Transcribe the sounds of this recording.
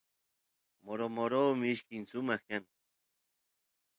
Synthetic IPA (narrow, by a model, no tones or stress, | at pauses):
moɾomoɾoːmɪɪʃkɪŋsʊmɑχkaŋ